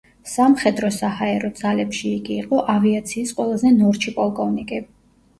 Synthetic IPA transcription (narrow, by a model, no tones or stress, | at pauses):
samχɛd̪ɾɔsahaɛɾɔd̪zalɛpʃiːɡiːqʼɔʔaviat̪sʰiːsqʼwɛlˠazɛnɔɾt͡ʃʰipʼɔlˠkʼɔvnikʼi